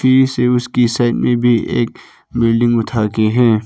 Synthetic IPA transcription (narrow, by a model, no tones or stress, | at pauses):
fiːseʊskisaːɪtmẽbʱiʔḛːk̚ | bɪlɖɪ̃ŋɡʊʈʰaːkeɦɛ̃ː